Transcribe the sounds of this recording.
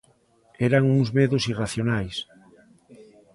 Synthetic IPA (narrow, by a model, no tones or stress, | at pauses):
ɛɾaŋuŋzmeðʊsiraθjonajs